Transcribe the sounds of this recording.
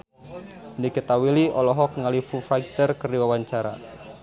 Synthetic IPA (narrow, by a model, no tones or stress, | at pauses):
nikət̪awiliʔɔlɔɦɔk̚ŋalifufɾaɡ̚t̪ərkəriwawaɲt͡ʃaɾa̰